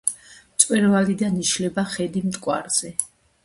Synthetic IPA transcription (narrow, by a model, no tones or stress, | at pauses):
mt̪sʼwɛɾvalid̪aniʃlɛbaχɛd̪imt̪ʼkʼwa̰ɾz̥ɛ